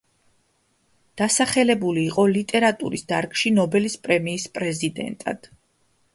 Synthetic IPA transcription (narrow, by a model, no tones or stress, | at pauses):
d̪̥asaχɛlɛbuliːqʼɔlit̪ʼɛɾat̪ʼṵɾisd̪aɾkʃinɔbɛlispʼɾɛmiːspʼɾɛzid̪ɛ̰nt̪ʼa̰d̪̥